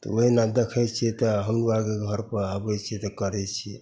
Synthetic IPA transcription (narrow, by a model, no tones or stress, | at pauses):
t̪ɔ̰oɦinad̪ekʰɛt͡ʃʰit̪ɔɦəmuakeɡʱəɾpəɾabɛt͡ʃʰit̪ɔkəɾɛt͡ʃʰi